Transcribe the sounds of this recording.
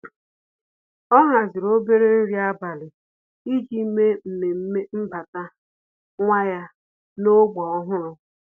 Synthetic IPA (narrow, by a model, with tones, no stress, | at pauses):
ɔ˦ŋa˨zɪ˨ɾo˦be˦ɾe˦ɾja˦ba˨lɪ˨ | i˦d͡ʒi˦me˦m̩˨me˨m̩˦me˦m̩˦ba˨ta˦ | ŋʷa˦ja˦ | no˦ɡ͡bɔ˨˦ɦʊ˦ɾʊ˦